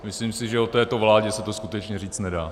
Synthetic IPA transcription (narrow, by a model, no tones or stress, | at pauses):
mɪsliːmsɪʒɛot̪ɛːt̪o̞vlaːɟɛsɛt̪oskut̪ɛt͡ʃɲɛriːt͡st̪nɛdaː